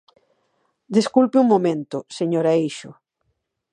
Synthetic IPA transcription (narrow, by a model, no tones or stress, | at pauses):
d̪eskulpɪuŋmomẽnt̪ʊseɲoɾaiʃʊ